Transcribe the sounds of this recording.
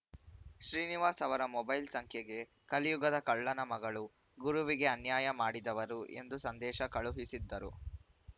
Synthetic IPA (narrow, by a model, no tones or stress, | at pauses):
ʃɾiːniʋaːsɐʋɐɾɐmɔbɐjlsɐŋkʰjɛɡe̞ | kɐlijuɡɐd̪ɐkɐɭːɐnɐmɐɡɐɭu | ɡuɾuʋiɡe̞ɐnjaːjɐmaːɽid̪ɐʋɐɾuʔe̞̰nd̪usɐnd̪ɛːʃɐkɐɭuɦisid̪ːɐɾṵ